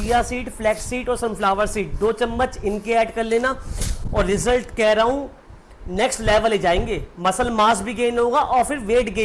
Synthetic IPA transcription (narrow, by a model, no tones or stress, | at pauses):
ijasiːʈflɛːksiːʈɔːɾsɐmpʰlaːʋəɾsiːʈ̚d̪oːt͡ʃɐmːət͡ʃɪnkeɛːɖkɐɾleːnaɔːɾːɪzəlʈkɛːɾaːɦũ | nɛːksʈlɛːʋəled͡ʒaːẽːŋɡeːmɐsəlmaːsbʱiɡeːnɦõːɡaʔɔːɾfɪɾʋeːʈɡe